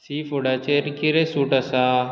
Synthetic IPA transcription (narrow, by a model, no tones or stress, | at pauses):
siːfuɽat͡ʃeɾkiɾesuːʈasa